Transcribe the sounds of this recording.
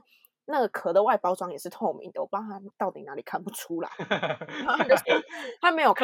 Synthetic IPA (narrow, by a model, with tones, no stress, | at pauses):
na˥˩ɡə˩kʰɤ˧˥d̪ə˨wa˥˩ɪpɑ˥ʊʈ͡ʂwɑ˥ŋjɛ˨˩ʂɻ̩˥˧t̪ʰɔ˥˧ʊmḭ˨˦ŋd̪ə˨wɔ˨˩pɑ˥ŋt̪ʰa˥t̪ɑ˥˩ʊt̪i˨˩na˧˦li˨˩kʰa˥˩npu˨˩ʈ͡ʂʰu˥la̰˨˦ɪa˥t͡ɕjo˥˧ʊʂ̩˥˩t̪a˥me˧˥ɪjo˨˩kʰ